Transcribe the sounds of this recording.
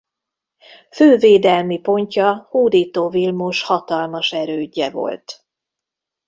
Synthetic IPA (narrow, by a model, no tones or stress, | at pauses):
føːveːd̪ɛlmipo̞ɲcɒhuːd̪iːt̪oːvilmuʃhɒt̪ɒlmɒʃɛɾøːɟːɛvo̞̰lt̪